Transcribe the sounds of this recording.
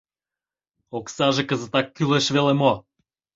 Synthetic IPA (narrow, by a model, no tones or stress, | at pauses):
oksaʒekəzət̪akːyleʃvelemo